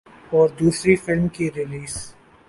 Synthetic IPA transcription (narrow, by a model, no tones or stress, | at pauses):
ɔːɾd̪uːsɾifɪlmkiɾɪliːs